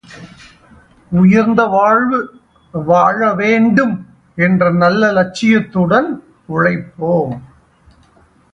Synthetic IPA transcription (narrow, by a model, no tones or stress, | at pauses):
ʊjɐɾnd̪ɐʋaːɻʋɯ | ʋaːɻɐʋeːɳɖɯm | ɛndrɐnɐlːɐlɐt͡ʃːɪjɐt̪ːɯɽɐn | ʊɻɐɪpːoː